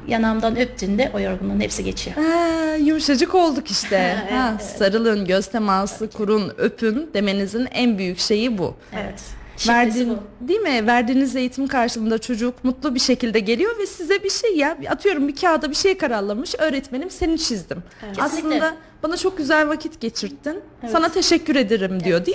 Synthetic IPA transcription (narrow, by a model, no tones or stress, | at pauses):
janamd̪anøp̚t̪ʰynd̪ɛʔojoɾɡununhepsiɟet͡ʃʰijoɛjumuʃad͡ʒɯko̞lˠd̪ukiʃt̪ʰɛhasaɾɯlˠɯnɟøz̥t̪ʰemaːsɯkʰuɾunøpʰynd̪e̞me̞nizinænbyjycʃe̞jibṵɛt̪ | væɾd̪ind̪ijmɪvæɾd̪iːnize̞jit̪ʰimkʰaɾʃɯlˠɯnd̪at͡ʃʰo̞d͡ʒukmut̪lˠubiʃe̞cilʲd̪ɛɟe̞lʲijo̞vɛsizɛbiʃejjabat̪ʰɯjo̞ɾumbicʰaːd̪abiʃe̞jkʰaɾaɾlːˠamɯʃø̞ːɾɛt̪me̞nʲimse̞nint͡ʃʰizd̪im | aslˠɯnd̪a | banat͡ʃʰo̞k̚ɟyzælʲvacʰit̪ɟe̞t͡ʃʰiɾt̪ʰːin | sanat̪ʰe̞ʃɛcːyɾe̞d̪eɾimd̪ijo̞d̪ij